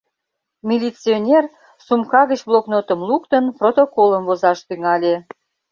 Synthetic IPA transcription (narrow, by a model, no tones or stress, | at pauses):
mʲilʲit͡sionʲer | sumkɑɣət͡ɕbloknot̪əmlukt̪ənprot̪okoləmvozɑʃt̪yŋɑlʲe